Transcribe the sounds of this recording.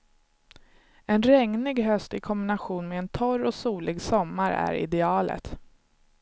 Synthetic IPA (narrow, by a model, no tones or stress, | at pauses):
ɛnɾɛŋnɪɡɦœst̪ɪkʰɔmbɪnaɧuːnmeːnt̪ʰɔɾɔsuːlɪɡsɔmːaɾæ̰ɾɪ̰d̪ɛɑːlə̰t̪